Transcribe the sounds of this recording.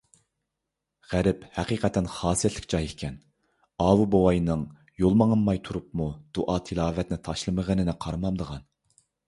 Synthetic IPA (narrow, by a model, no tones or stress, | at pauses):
ʁæɾɪphæqiːqʰɛt̪ʰːɛnχɑːsijɛt̪lɪkʲd͡ʒɑjekʲʰɛn | ɑːwubowɑjnɨŋ | jolˠmɑŋɨmːɑjt̪ʰuɾupmud̪̥uʔɑːt̪ʰɨlˠɑːvɛt̪nɪt̪ʰɑʃlˠɨməʁənɪnɪqʰɑɾmɑmd̪əʁɑn